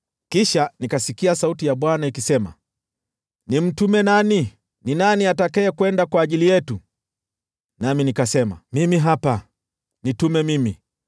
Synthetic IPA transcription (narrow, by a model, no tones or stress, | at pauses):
kiʃanikasikiasautijaɓwanaikisɛma̰ | nim̩tumɛnani | ninaniatakɛɛkwɛndakwaːʄilijɛtu | naminikasɛma̰mimiɦapa | nitumɛmimi